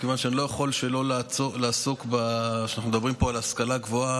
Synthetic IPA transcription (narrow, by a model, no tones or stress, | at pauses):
kevanʃeanilo̞jaχo̞lʃelo̞lat͡solaːsokbaʃanaχnumed̪abʁimpo̞alaskalaɡvoa